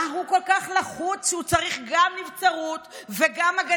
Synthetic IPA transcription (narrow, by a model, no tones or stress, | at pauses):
ɦuko̞lkaχlaχut͡sʃut͡saʁiχɡamnivt͡saʁut̪veɡamaɡa